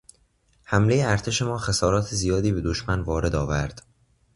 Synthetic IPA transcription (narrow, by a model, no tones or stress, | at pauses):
hæmle̞jeæɾt̪ʰe̞ʃe̞mɒːxesɒːɾɒːt̪ʰezijɒːd̪iːbe̞d̪oʃmænvɒːɾe̞d̪ɒːvæɾd̪̥